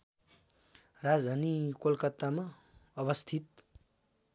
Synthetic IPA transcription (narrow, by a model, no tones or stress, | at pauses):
rad͡zd̪ʱanikolkʌt̪ːama | ʌbʌst̪ʰit̪̚